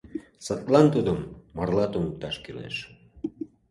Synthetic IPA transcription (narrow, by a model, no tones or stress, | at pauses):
sət̪lɑnt̪ud̪əmːərlɑt̪umət̪ɑʃkelḛʃ